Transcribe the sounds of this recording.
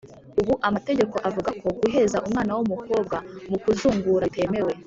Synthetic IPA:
uβuʔamate̞ɟe̞ko̞ʔavuɡakʰo̞ɡuɦe̞zaʔumŋaːnawumuko̞ːb̚ɡamukuzuːŋɡuɾate̞me̞we̞

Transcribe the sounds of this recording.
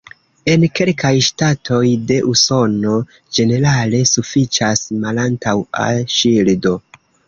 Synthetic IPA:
e̞nke̞lkajʃtatʰo̞jde̞ʔuso̞no̞ | d͡ʒe̞ne̞ɾale̞sufit͡ʃasmalantawa̰ʃildo̞

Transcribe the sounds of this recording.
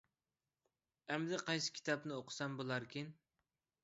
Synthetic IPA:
ɛmd̪ɛqʰɑjsɨ̥kʲʰi̥t̪ʰɑpnɪoqʰʊ̥sɛmbolˠɑɾkʲin

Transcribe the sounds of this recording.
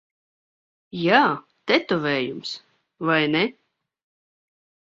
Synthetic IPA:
jaː | t̪ɛt̪ɔvʲɛːjums | vajnɛ

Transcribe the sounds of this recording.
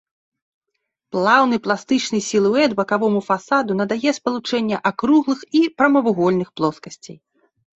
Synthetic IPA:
plˠawnɨplˠast̪ɨt͡ʂnɨjsʲilˠuɛt̪bɐkavɔmufasad̪unɐd̪ajɛspɐlˠut͡ʂɛnʲːɐʔakɾuɣlˠɨxipɾɐmɐvuɣɔlʲnɨxplˠɔskɐsʲt͡sʲḛj

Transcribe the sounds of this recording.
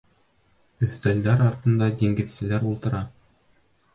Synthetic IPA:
ɵ̆θt̪æld̪æɾɑɾt̪ɤ̆nd̪ɑd̪ʲiŋɡɘ̆ðsɘ̆læɾulˠt̪ɤ̆ɾɑ

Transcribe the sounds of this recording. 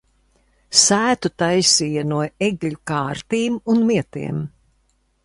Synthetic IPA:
sæːt̪ut̪ajsiːjɐnuɔeɡlʲukaːɾt̪iːmunmiɛt̪ḭɛm

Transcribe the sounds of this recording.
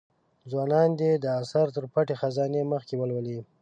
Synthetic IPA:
zwɑnɑnd̪ed̪əasaɾt̪əɾpaʈexazɑneməxkewəlwəli

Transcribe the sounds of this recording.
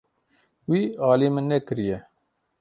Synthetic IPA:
wiːɑːliːmɨnːɛkɨɾijɛ

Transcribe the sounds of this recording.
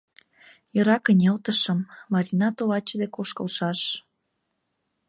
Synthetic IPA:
jɤ̆ɾɑkə̆nʲelt̪əʃə̆mːɑɾʲinɑt̪oβɑt͡ɕəd̪ekoʃkɤ̆lʃɑʃ

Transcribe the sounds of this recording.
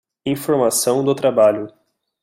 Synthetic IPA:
ĩfoɾmasɐ̃w̃d̪ʊt̪ɾabaʎʊ

